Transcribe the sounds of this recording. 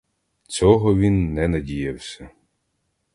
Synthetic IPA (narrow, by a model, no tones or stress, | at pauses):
t͡sʲɔɦɔʋʲinːɛnɐdʲijɐwsʲɐ